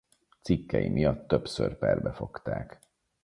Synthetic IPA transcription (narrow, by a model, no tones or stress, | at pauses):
t̪sikːɛjimʔijɒt̪ːø̞psørpɛrbɛfo̞kt̪aːk